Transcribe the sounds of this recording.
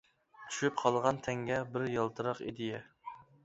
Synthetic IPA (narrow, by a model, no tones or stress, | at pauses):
t̪ʰy̥ʃypqʰɑlˠʁɑnt̪ʰɛŋɡʲɛbɪɾjɑlˠt̪ʰɨɾɑqḭd̪ɪjɛ